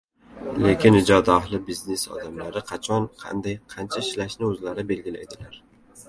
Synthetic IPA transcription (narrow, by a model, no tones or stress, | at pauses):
le̞kʲɪnɪd͡ʒɒd̪aahlˠɪbizne̞sɒ̰d̪amlaɾɪqʰɑt͡ʃʰɒnqʰɑ̰nd̪ajqʰɑnt͡ʃʰaʃlaʃnɪɵzlaɾɪbe̞lɡʲɪlaed̪ɪlaɾ